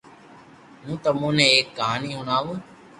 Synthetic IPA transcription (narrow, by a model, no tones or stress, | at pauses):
mũːt̪əmõːnẽːeːkːəɦaːniːɦʊnaːʋũː